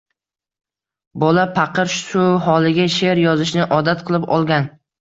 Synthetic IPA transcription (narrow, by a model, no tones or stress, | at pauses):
bɒlapʰɑqɨɾʃʊɦɒlˠɪɡʲaʃe̞ɾjɒzɪʃnɪʔɒd̪at̪qʰɨlˠɪpɒ̰lˠɡʲan